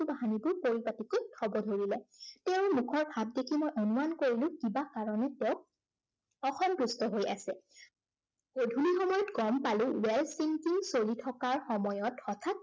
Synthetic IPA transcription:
ubaɦanibʊɹpoɹipatikojtʰɔbɔdʱoɹilɛtɛʊmukʰɔɹbʱab̚dekʰimojʔonumankoɹilʊ̃kibakaɹɔnɛtɛʊk̚ | ɔxɔmdɹustɔɦojʔa̰sɛ | ɡ̥odʱulixɔmɔjɔtɡɔmpalʊ̃wɛlsiŋkiŋsolitʰɔkaɹxɔmɔjɔtxɔtʰat̚

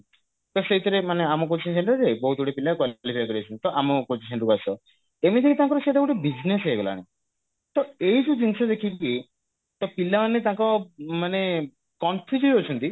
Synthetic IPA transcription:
t̪ɔseit̪ɔɾemaneamɔkot͡ʃʰinsʰeɳʈud͡ʒebɔɦut̪uɽepilakwalipʰajkɔɾiet͡ʃʰunt̪ɔʔamɔkot͡ʃʰisʰeɳʈukasʰɔ | emit̪ʰikit̪ãkɔɾɔset̪akuʈebid͡ʒneseeɡɔla̰nḭ | t̪ɔejd͡ʒud͡ʒinsɔd̪ekʰiki | t̪ɔpilamanet̪ãkɔmane | kɔnfʰid͡ʒuiɦot͡ʃʰunt̪i

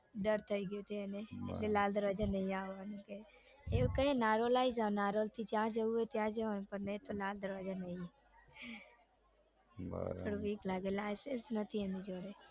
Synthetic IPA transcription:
ɖəɾt̪ʰəiɡjut̪ʰeeneḛʈlelald̪əɾʋad͡ʒanəɦĩaʋːanũke | eukəɾenaɾolaizanaɾolt̪ʰid͡ʒjãd͡ʒəuet̪jãd͡ʒəʋanũpəɾnet̪olald̪əɾʋad͡ʒanəɦĩ | pəɳʋiːklaɡelajsensnət̪ʰiemid͡ʒoɽe

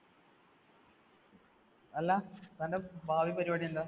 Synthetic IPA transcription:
ɐlːɐt̪ɐndebʱaːʋipɐɾibaːɽiund̪a

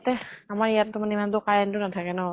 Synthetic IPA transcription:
tɛamaɹijatːumanɛimantʊkajantʊnatʰakɛnɔ

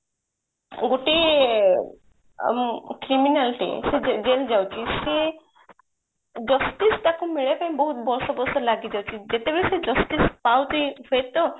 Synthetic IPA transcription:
ɡoʈi | kɾiminalʈḭsed͡ʑeld͡ʑawt͡ɕise | d͡ʑəsʈist̪akũmiɭepañbəɦut̪bɔlsɔbɔsəlaɡid͡ʑawt͡ɕid͡ʑet̪ebeɭesed͡ʑəsʈispawt̪ifet̪ɔ

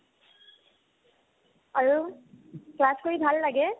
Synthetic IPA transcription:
aɹu | klaskoɹibʱalːaɡɛ

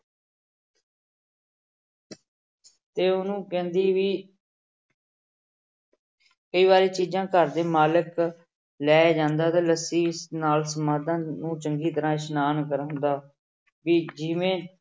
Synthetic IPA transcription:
t̪eːʊnũːkɛ̃ːnd̪iːʋiː | kəiːβaːɾeːt͡ʃiːd͡ʒãːkəɾd̪eːmaːlɪk | lɛːd͡ʒãːnd̪aːt̪aːləsiːɪsnaːlsəmaːd̪ãːnũːt͡ʃəŋɡiːt̪əɾãːʃnaːnkəɾɦʊnd̪aː | ʋiːd͡ʒɪʋẽː

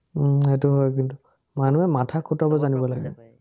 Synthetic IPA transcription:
ɦetuɦɔjk̬intu | manuɛmatʰakʰutɔbɔzanibɔlaɡɛ̰

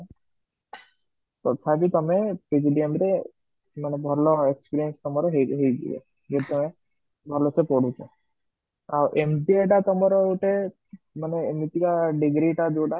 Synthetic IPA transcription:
tɔt̪ʰakit̪ɔmepid͡ʒɖiemt̪e | manebʱɔɾlɔekspiɾijənst̪ɔmɔɾɔɦeɦejd͡ʒḭḛ | ɡet̪ɔme | bʱɔɾlɔsepɔɽut͡ʃɔ | awʔemʈieʈat̪ɔmɔɾɔuʈe | maneːmit̪ikaɖiɡɾiʈad͡ʒoɖa

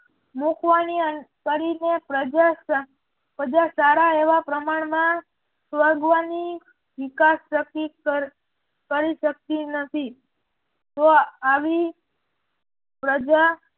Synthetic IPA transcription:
mukʰʋanikəɾinepəa | pəd͡ʒasaɾaeʋapɾəmaɳ̃mã | sʋəɾɡʋani | ʋɪkasːəki | kəɾiʃək̚t̪inət̪ʰi | t̪oaʋi | pɾəd͡ʒa

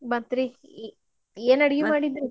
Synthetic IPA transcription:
bɐnt̪ɾi | eːnɐɽiɡimaːɽid̪ɾu

